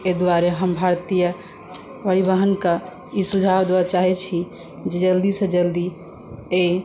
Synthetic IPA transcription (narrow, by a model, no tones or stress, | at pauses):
ed̪uaɾeɦəmbʱaɾt̪ijə | bəɽibəɦənkə | isud͡ʒʱabd̪ebat͡ʃaɦɛt͡ʃʰi | d͡ʒed͡ʒəld̪isəd͡ʒəld̪i | e